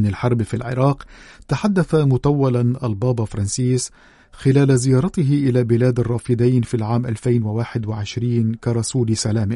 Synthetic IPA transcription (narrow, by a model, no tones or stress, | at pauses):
nalħɑɾˤbfilʕɪ̰ɾˤɑːqt̪aħad̪ːaθamʊt̪awːalanʔalbɑːbɑfɑɾˤɑnsiːs | xɪlaːlazɪjɑːɾˤɑt̪ɪɦɪʔɪlaːbɪlaːd̪ɑrˤːɑːfɪd̪ajnfiːlʕaːmʔalfajnwawaːħɪd̪waʕɪʃɾiːnkaɾˤɑsuːlsalaːmɪ